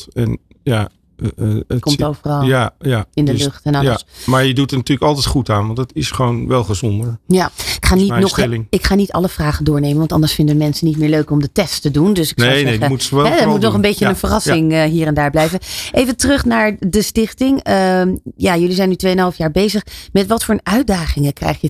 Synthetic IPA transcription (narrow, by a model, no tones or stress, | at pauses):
ɛ̰n | ja | kɔmtowvərɑlajaɪndəlløχtɛnɑəsmaɹjədutənatyːləkɑlˠtɛtχutaːnʋɑndətɪsχəonʋɛlˠχəzɔndəɹjaɪkχaːninɔsχɛlɪŋɪkχaːnitɑ̰ləv̥raːχəndʊːɹnejmənʋɑntɑndəɹsfɪndənmɛnsənit̚mɪːɹløɥkɔmdətɛsttədundøsɪkeaemutɛɛəmutnɔχənbejcənənvərɑsɪŋəɦiːɾɛndaːɹblɛjvəʔejvətərɵχnaːɹdəstɪχtɪŋəjaːjɵlizɛjnytʋejənɦɑlˠfjaːɹbejzəχmɛtʋɑtfʊːɹnœɥ̚daːχɪŋəkrɛ̰jχjə